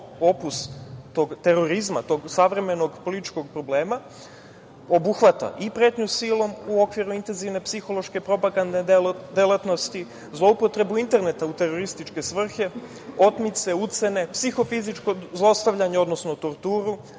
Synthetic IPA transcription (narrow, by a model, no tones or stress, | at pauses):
o̞pust̪o̞ɡt̪e̞ɾo̞ɾizma̰t̪o̞ɡsaʋɾe̞me̞no̞ɡpo̞lit̪it͡ʃko̞ɡ̚pɾo̞ble̞ːma | o̞buxʋat̪a̰ʔipɾe̞ːt̪ɲusilo̞muo̞kʋiɾuint̪e̞nziʋne̞psixo̞lo̞ʃke̞pɾo̞paɡand̪ed̪elat̪no̞st̪i | zlˠoupo̞t̪ɾe̞buint̪e̞ɾne̞t̪aut̪e̞ɾo̞ɾist̪it͡ʃke̞sʋr̩xe̞ | o̞t̪mit̪se̞ut̪se̞ne̞psixo̞fizit͡ʃko̞zlˠost̪aʋʎaɲeo̞d̪no̞snot̪o̞ɾt̪uːɾu